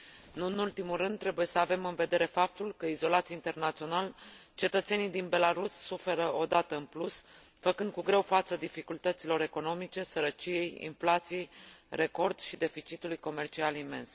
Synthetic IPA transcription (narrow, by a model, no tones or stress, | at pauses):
ɨnɨnult̪imulɾɨnd̪ːɾe̞buje̞səave̞mɨnve̞d̪e̞ɾe̞fap̚t̪ulkəizo̞lat̪sieint̪e̞rnat̪sio̞nalt͡ʃe̞t̪ət̪se̞nijd̪inbe̞laɾusːufe̞ɾəo̞d̪at̪əɨnplusfəkɨnd̪̚kuɡɾe̞wfat̪səd̪ifikult̪ət̪silo̞ɾe̞ko̞no̞mit͡ʃe̞səɾət͡ʃije̞jḭnflat̪sijejre̞ko̞rd̪ʃid̪e̞fit͡ʃit̪ulujko̞me̞rt͡ʃialime̞ns